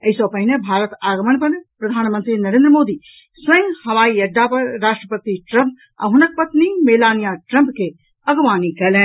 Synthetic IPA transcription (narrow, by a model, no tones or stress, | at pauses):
ɐisɔpɐɦɪnebʱaːɾət̪aːɡɐmɐnpɐnpɾɐd̪ʱaːnmɐ̃nt̪ɾinɐɾẽːnd̪ɾəmoːd̪iː | sʋɐj̃ŋɡhɐʋaːiɐɖːaːpɐɾaːʃʈɾəpɐt̪iʈɾɐmp̚ | ɐ̰ɦʊnɐk̚pɐt̪nimeːlaːnijaːʈɾɐmpke | ɐɡʋaːnikɐlẽː